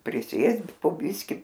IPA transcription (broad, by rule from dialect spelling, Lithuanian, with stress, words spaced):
pʲrʲɪˈsʲeːst poː ˈbʲɪsʲkʲɪ